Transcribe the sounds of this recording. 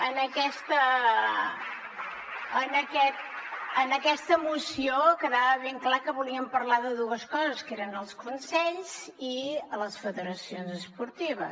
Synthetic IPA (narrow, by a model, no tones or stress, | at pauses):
ənəkɛst̪ə | ənəkɛt̪̚ənəkɛst̪əmusiokəðaβəβeŋklakəβuliəmpəɾlaðəðuəskɔzəskeɾənəlˠskunsɛʎz̥iələsfəðəɾəsionzəspuɾt̪iβ̞ə